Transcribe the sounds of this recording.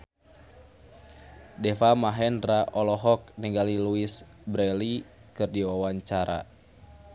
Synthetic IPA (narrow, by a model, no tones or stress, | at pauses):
dɛfamaɦɛnraʔɔlɔɦɔk̚nɛɡaliluis | bɾɛlikɨrdiwawaɲt͡ʃaɾa̰